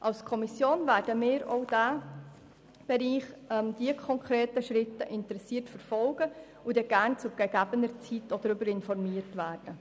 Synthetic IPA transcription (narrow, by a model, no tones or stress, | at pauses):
ʔɑlskʰɔmisjoːnvæːɾd̥əmɪːɾoʊd̥æː | b̥ɛɾiːχɛmd̥iəkʰɔŋkʰɾeːtəʃɾɪtəʔɪntɾɛsiːtfəɾfɔlɡə | ʊdɛɡ̥æːɾnt͡sʊɡ̥ɛɡæbənəɾt͡sitɔd̥̪əɾʏbəɾɪnfɔɾmiːətʋæːɾd̥ə